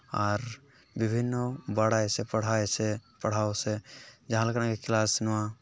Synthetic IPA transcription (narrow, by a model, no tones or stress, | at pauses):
aːɾ | bɪbʱɪnːobaɽaːesepəɽ̤aːesepəɽ̤aːosed͡ʒãlkɽ̃ãkekʰɪlaːsnʋã